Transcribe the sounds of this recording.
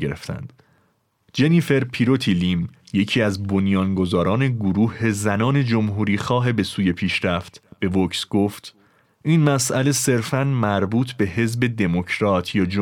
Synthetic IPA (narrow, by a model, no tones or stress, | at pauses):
eɾḛft̪ʰæ̰nd̪̥ | d͡ʒe̞nife̞ɾpʰiɾo̞t̪ʰilimje̞cʰiːæzbo̞njɒːnɡo̞zɒːɾɒːne̞ɡoɾuːhe̞zænɒːne̞d͡ʒo̞mɦuːɾiːxɒːɦebe̞suːje̞pʰiːʃɾæft̪b̥e̞vocsɡ̥o̞ft̪ | ʔinmæsʔæle̞se̞ɾfænmæɾbuːt̪ʰbe̞he̞zbe̞d̪e̞mo̞cʰɾɒːt̪ʰjɒːd͡ʒ